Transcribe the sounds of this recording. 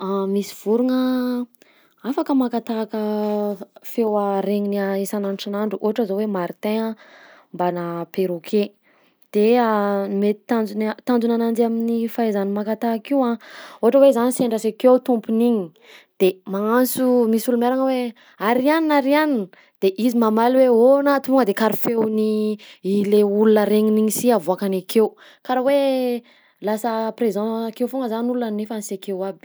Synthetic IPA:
amisi̥v̥uɾuŋə | afakəmakat̪akə | fewaɾeŋiniaesananʈ͡ʂanaɳɖ͡ʐuʔoɦaʈ͡ʂəzowemaɾit̪eã | mbanapeɾukʰe | d̪̥e | met̪i̥t̪and͡zunt̪and͡zunanand͡zaminifaezanimakat̪akiwãoɦaʈ͡ʂəwezaniseɳɖ͡ʐasekewt̪umpuniɲi | d̪̥emaansumisulumeɾaŋəwe | aɾianinaɾianin | d̪̥eʔizimamalweonat̪uŋɡəd̪ekaɾifewniileulunəɾeŋiniɲisiavuakanakew | kaɾawe | lasəprezɑ̃kewfoŋɡəzanulunanefanisekewab̥

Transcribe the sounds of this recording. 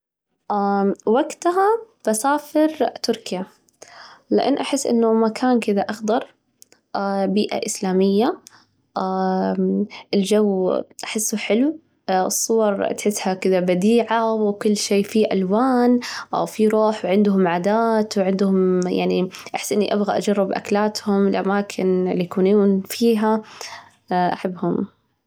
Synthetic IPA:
ʔawaɡt̪ɦab̥asaːfɪɾt̪ʊɾkɪja | lɪ̰ʔa̰nːʔaħɪsːʔɪ̰nːʊmakʰaːnkɪd̪aʔaxd̪ɑɾˤ | ʔabiːʔa̰ʔɪslaːmɪjːa | ʔa | ʔɪld͡ʒawːʔaħɪsːʊħɪlu | ɨsˤːʊwɑɾˤt̪ħɪsːhakɪðabad̪iːʕawkʊlːʃeːfiʔalwaːnʔa̰wfiɾˤoːħwʕɪnd̪ɦʊmʕaːd̪aːt̪wʕɪnd̪hʊmja̰ʕniʔaħɪ̥sːʔɪnːiʔabɣaʔad͡ʒɑrˤːɪbʔa̰klaːt̪hʊmlʔa̰maːkʰɪnlːijkuːnuːnfiːɦa | ʔaħabːhʊm

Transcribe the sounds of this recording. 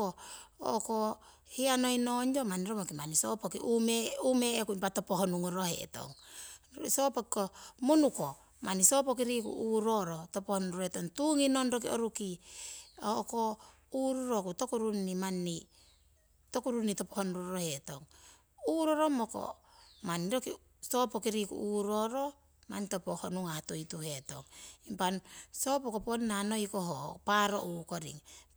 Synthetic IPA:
oo̰ko | hianojnoɲd͡ʒomaniɾomokimanisopokiʔumeumeekunpatopoɦonuŋuɾohḛto̞̰ŋ | sopokikomunuko | manisopok̬iɾikṵʔuɾoɾotopohonuɾuɾoetoŋtuŋinonɾok̬io̰ɾuki | oko | uɾuɾo̞kuto̞kuɾunːimanːi | to̞kuɾunito̞pohonɾoɾohe̞to̞ŋ | uɾo̞ɾo̞moko̰ | maniɾoki | so̞pokiɾikṵʔuɾo̞ɾo̞ | ma̰nito̞pohonuŋahatojtuhe̞to̞̰ŋimpanso̞pokoponːano̞jkoɦopaɾo̞̰ʔuko̞ɾḭŋ

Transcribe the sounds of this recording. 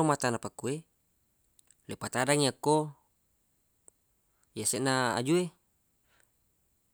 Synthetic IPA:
omat̪anapakːue | lepat̪adaŋiakːo | jaseʔnaa̰d͡ʒue

